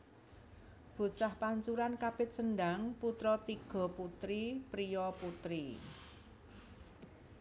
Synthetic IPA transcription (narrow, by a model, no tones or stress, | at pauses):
b̥o̤t͡ʃahpaɲt͡ʃuɾankapɪt̪̚sənɖaŋput̪ɾɔt̪iɡ̥ɔ̤put̪ɾipɾijɔput̪ɾi